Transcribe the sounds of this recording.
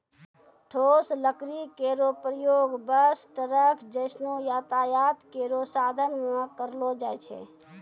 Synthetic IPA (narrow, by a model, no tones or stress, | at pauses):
ʈʰosləkɾikeɾopɾəjoɡbəsʈəɾəkʰd͡ʒəɪsnojat̪ajat̪keɾosad̪ʱənmekəɾlod͡ʒajt͡ʃʰɛ̰